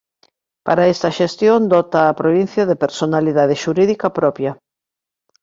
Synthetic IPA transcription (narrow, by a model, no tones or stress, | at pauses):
pa̰ɾaɛst̪ɐʃest̪jond̪ɔt̪ɐːpɾoβin̟θjɐðepeɾsonaliðað̞eʃuɾiðikɐpɾɔpjɐ